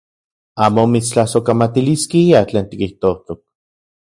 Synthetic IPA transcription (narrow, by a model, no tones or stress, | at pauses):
aːmomit͡st͡ɬahsokamat̪iliskiiat͡ɬeːnt̪ikiht̪ot̪ok̚